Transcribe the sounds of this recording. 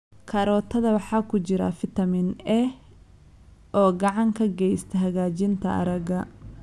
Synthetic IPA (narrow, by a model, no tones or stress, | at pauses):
kʰɐɾɔːt̪ʰɐðɐwɑħɑːkʰʊt͡ʃɪɾɐ̰fɪt̪ʰɐmɪnɛh | ʔɔːɡɑʕɑŋkʰɐɡɛjst̪ʰɐɦɐɣaːt͡ʃɪnt̪ʰɐ̰ɐ̰ɾɐɣɐ